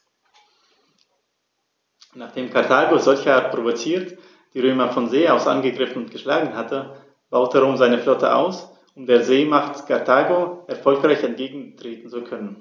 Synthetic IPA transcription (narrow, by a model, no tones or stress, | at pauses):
naːχd̥eːmkʰaɐtʰaːɡozɔlçəʔaɐtpʁ̥ovot͡siːɐt | d̥iːʁøːmɐfɔnzeːaʊsʔa̰nɡəɡʁɪfn̩ʊntɡ̥əʃlaːɡŋ̩hatə | b̥aʊtəʁoːmzaɪnəflɔtʰə̰ʔa̰ʊs | ʔʊmdeːɐzeːmaχtkʰaɐtʰaːɡoʔɛɐfɔlkʁ̥aɪçɛntɡ̥eːɡŋ̩tʁ̥eːtn̩t͡sukʰœnən